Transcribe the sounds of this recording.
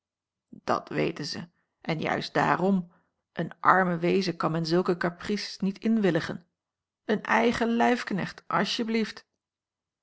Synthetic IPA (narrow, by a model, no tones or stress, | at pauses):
d̥ɑ̰tʋḛjtənzə̰ | ʔɛnjœ̰ɥsd̥a̰ːrɔm | ʔənʔɑɹməʋejzəkɑnmɛnzɵlˠkəkaprisnitɪnʋɪləχə̰n | ənɛjχəlɛjfknɛ̰χtʔɑ̰lˠʃjəblift